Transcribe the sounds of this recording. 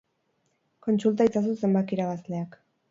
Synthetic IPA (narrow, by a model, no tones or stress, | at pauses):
ko̞nsult̪̬ait͡sas̬use̞mbat̪iɾaβazle̞ak